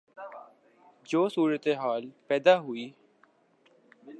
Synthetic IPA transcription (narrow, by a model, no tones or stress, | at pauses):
d͡ʒoːsuːɾət̪eɦaːlpɛːd̪aːɦʊiː